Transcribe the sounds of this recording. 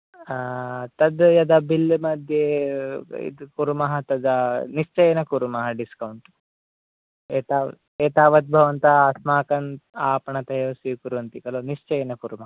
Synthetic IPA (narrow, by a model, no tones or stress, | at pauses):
t̪ɐd̪jɐd̪ɐbilːmɐd̪ʱje | ḭd̪kuɾumɐɦɐt̪ɐd̪aniʂt͡ʃɐjɐnɐkuɾumɐɦɐɖiskɐwɳʈ | eːt̪aː | eːt̪aːʋɐt̪̚bʱɐʋɐnt̪asmaːkɐnaːpɐɳɐt̪ɐjoːsiʋkuɾuʋɐnt̪ikɐloːniʂt͡ʃɐjɐnɐkuɾumɐɦɐ